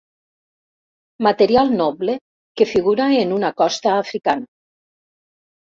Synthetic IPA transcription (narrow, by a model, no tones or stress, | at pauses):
mat̪eɾialˠnɔβle | kefiɣuɾaenunakɔst̪aːfɾikana